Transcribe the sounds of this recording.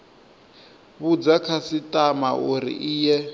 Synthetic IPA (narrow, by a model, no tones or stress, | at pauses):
βud͡zakʰasitʼamauɾḭʔiːjɛ